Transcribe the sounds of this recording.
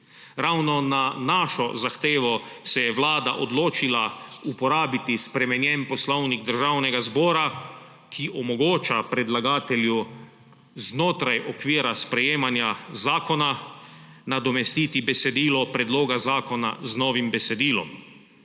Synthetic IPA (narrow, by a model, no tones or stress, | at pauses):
ɾawnɔnanaːʃɔzaxt̪eːʋɔsɛjɛʋlaːd̪a̰ʔɔd̪loːt͡ʃilaupɔɾaːbit̪ispɾɛmɛnjɛnpɔslɔwniɡd̪əɾʒawnɛɡazbɔːɾa | kʰiʔɔmɔɡoːt͡ʃapɾɛd̪laɡaːt̪ɛlju | znoːt̪ɾajʔɔkʋiːɾaspɾɛjeːmanjazaːkɔna | nad̪ɔmɛst̪iːt̪ibɛsɛd̪iːlɔpɾɛd̪loːɡazaːkɔna̰znɔːʋimbɛsɛd̪iːlɔ̰m